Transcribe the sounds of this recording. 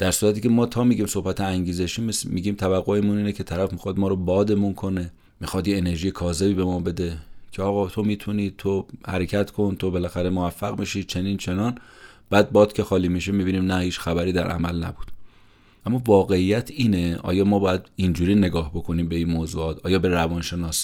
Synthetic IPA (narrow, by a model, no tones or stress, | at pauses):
d̪̥æɾsuːɾæt̪ʰiːcʰe̞mɒːt̪ʰɒːmiːɟiːmso̞hbæt̪ʰeæŋɟiːzeʃiːmsmiɡiːmt̪ʰævæɣːoemuniːnecʰe̞t̪ʰæɾæfmixɒd̪mɒːɾobɒːd̪e̞munkʰo̞ne̞ | mixɒːd̪jeːne̞ɾʒiːjekʰɒːze̞biːbe̞mɒːbe̞d̪e̞cʰeɒːɣɒːt̪ʰo̞miːt̪ʰuniːt̪ʰohæɾecʰæt̪kʰo̞nt̪ʰo̞be̞læxæɾe̞movæfːæɣmiʃiːt͡ʃʰe̞niːnt͡ʃʰe̞nɒːn | b̥æːd̪̚bɒːd̪̥cʰe̞xɒːliːmiʃemiːbiːniːmnæhiːt͡ʃxæbæɾiːd̪æɾʔæ̰mæ̰lnæ̰buːd̪̥ | ʔæmːɒːvɒːɣe̞ijæt̪ʰiːneʔɒ̰ːjɒːmɒːbɒːjæd̪ind͡ʒuːɾiːne̞ɡɒːhbo̞kʰo̞niːmbe̞inmoːzuːɒːt̪ʰʔɒːjɒːbe̞ɾævɒnʃe̞nɒːs